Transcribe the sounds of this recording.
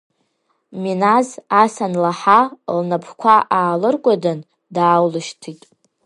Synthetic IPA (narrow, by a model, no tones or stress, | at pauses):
minazasanlaħalnapʰkʷʰaʔaːlɨrkʷʼadan | daːwlɨʃtʰitʼ